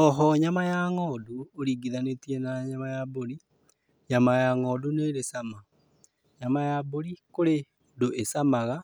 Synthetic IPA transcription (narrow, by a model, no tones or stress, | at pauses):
ɔɦɔɲamajaŋɔːduoɾiːɡiðanetiɛnaɲamajaboɾi | ɲamajaŋɔːduneɾesama | ɲamajaboɾikoɾe | doʔesamaɣa